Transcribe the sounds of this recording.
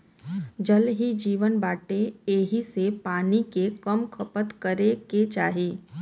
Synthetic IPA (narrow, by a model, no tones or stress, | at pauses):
d͡ʒəlɦid͡ʒiːʋənbaːʈeeːɦisepaːnikekəmkʰəpət̪kəɾeket͡ʃaːɦieː